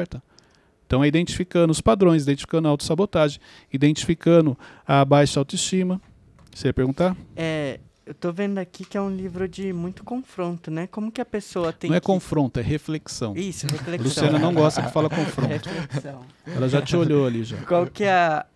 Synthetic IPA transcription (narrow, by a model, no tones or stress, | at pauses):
ɛɾt̪ɐ | ẽt̪ɐ̃w̃ɛid̪ẽnt͡ʃi̥fikɐ̃d̪ʊspad̪ɾõj̃z̬id̪ẽnt͡ʃifi̥kɐ̃nʊawt̪ʊ̥sabot̪aʒẽj̃ | id̪ẽnt͡ʃi̥fikɐ̃d̪ʊ | ɐbajʃɐawt̪ʊist͡ʃĩmɐ | seɾiɐpeɾɡũnt̪aɛ | ewt̪ovẽnd̪ʊakikɪɛũlivɾʊd͡ʒɪmũj̃t̪ʊ̥kõfɾõnt̪ʊnɛkõmʊkɪɐpesoɐt̪ẽɐ̃ɛkõfɾõt̪ʊɛhefleksɐ̃w̃isʊɛhefleklusiɐ̃nɐnɐ̃w̃ɡɔst̪ɐkɪ̥falɐkõfɾõt̪ʊleksɐ̃w̃ɛlɐʒat͡ʃɪoʎoaliʒa̰kwawkɪɛ